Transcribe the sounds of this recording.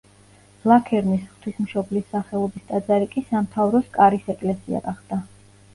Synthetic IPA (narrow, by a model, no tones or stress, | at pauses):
lˠakʰɛɾnisχt̪ʰwismʃɔblisːaχɛlˠɔbist̪ʼad̪zaɾikʼisamt̪ʰavɾɔskʼaɾisɛkʼlɛsia̰ɡaχd̪̥a